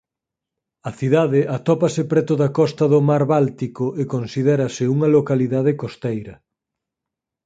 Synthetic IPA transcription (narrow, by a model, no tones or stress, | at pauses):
ɐθiðaðeʔat̪ɔpɐsepɾɛt̪ʊðɐkɔst̪ɐðʊmaɾβalt̪ikoʔekonsiðɛɾɐsɪuŋɐlokaliðað̞ekost̪ejɾɐ